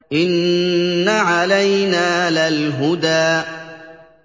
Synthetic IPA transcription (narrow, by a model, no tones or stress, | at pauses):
ʔɪnː | aʕalajnaːlalɦʊd̪aːʔ